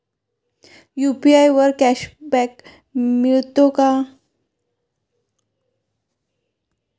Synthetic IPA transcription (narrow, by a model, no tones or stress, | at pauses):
jupiajʋəɾkæɕbɛk | miɭt̪oka